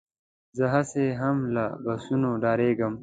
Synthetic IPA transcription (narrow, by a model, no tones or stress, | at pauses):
zəɦaseɦɐmlabɐsunoɖaːɾeːɡəm